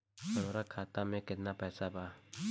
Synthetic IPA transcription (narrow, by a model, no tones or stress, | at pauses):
sənoɾakʰat̪amẽkɪt̪napɛsaba